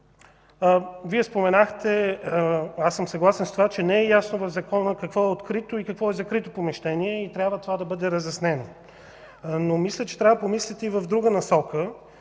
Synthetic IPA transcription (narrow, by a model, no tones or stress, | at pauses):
viɛspomɛnaxt̪ɛ | asːəmsɐɡlˠasɛnst̪ovat͡ʃɛnɛɛjasnovɐvzɐkɔnəkɐkvɔɛot̪kɾit̪oikɐkvɔɛzɐkɾit̪opomɛʃt̪ɛniɛit̪ɾʲabvət̪ovad̪ɐbɤd̪ɛɾɐzɐsnɛno | nomislʲət͡ʃɛ̥t̪ɾʲavəpomislʲɛt̪ɛivəvd̪ɾuɡənɐsɔkə